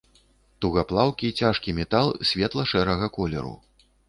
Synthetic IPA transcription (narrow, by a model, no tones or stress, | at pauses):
t̪uɣaplˠawkʲit͡sʲaʂkʲimʲɛt̪alˠsʲvʲɛt̪lˠɐʂɛɾɐɣɐkɔlʲɛ̰ɾṵ